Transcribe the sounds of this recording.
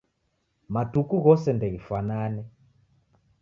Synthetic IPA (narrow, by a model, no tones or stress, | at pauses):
matukuɣɔsɛndɛɣifananɛ